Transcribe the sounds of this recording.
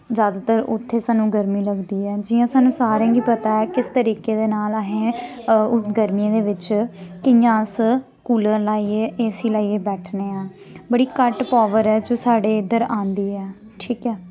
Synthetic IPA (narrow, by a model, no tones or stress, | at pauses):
zjaːd̪aːt̪əɾʊ̰t̪ʰːeːsaːnũːɡəɾmiːləɡd̪iːɛːd͡ʒɪjãːsaːnũːsaːɾãːɡiːpət̪aːɛːkɪst̪əɾiːkeːd̪eːnaːlaːɦẽː | ʊsɡəɾmiãːd̪eːʋɪt͡ʃkɪjãːs | kuːlə̃laːieʔeːsiːlaːiːeːbɛːʈʰneːãː | bəɽiːkəʈpaːʋəɾɛːd͡ʒoːsaːɖeːɪd̪əɾãːnd̪iːɛː | ʈʰiːkɛː